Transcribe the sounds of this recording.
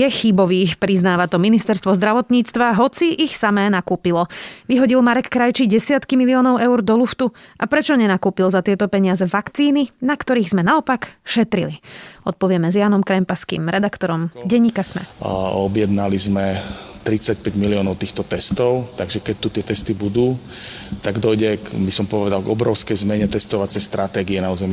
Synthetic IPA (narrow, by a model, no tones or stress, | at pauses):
jɛxibɔʋiːxpɾiznaːʋat̪ɔminist̪ɛɾst̪ʋɔzd̪ɾaʋɔt̪ɲiːt͡st̪ʋaɦɔt͡siʔixsamɛːnakuːpilɔʋiɦɔɟilmaɾɛkːɾajt͡ʃiɟɛsɪat̪kimiliɔːnɔʊɛʊɾd̪ɔluft̪uʔapɾɛt͡ʃɔɲɛnakuːpilzat̪ɪɛt̪ɔpɛɲɪazɛʋakt͡siːninakt̪ɔɾiːɣzmɛnaɔpakʃɛt̪ɾiliɔt̪̚pɔʋɪɛmɛzjaːnɔmkɾɛmpaskḭmɾɛd̪akt̪ɔɾɔmɟɛɲːiːkasmɛ̰ɔbjɛd̪nalizmɛt̪ɾit͡sac̚pɛɟmiliɔːnɔʊt̪iːxt̪ɔt̪ɛst̪ɔʊt̪aɡʒɛkɛc̚t̪ut̪ɪɛt̪ɛst̪ibud̪uː | t̪aɡd̪ɔjɟɛkbisɔmpɔʋɛd̪alɡɔbɾɔʊskɛjzmɛɲɛt̪ɛst̪ɔʋat͡sɛjst̪ɾat̪ɛːɡiɛnauːzɛmi